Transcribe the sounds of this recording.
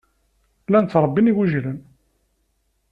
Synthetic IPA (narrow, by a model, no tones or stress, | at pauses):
lænt̪ɾˤəbːiniwæʒlən